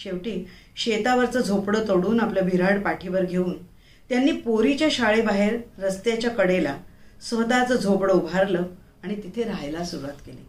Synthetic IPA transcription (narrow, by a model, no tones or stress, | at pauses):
ɕeʋʈiː | ɕet̪aʋəɾt͡səːd͡zʱopɽət̪əɽuːnapljabʱiɾaɽpaʈʰiʋəɾɡʱeuːn | t̪janːiːpoɾit͡ɕjaɕaɭebaɦeɾːəst̪jat͡ɕjakəɽelasʋəd̪at͡səd͡zʱopɽəubʱaɾləː | aɽ̃it̪it̪ʰeɾajlasuɾuʋat̪kelḛ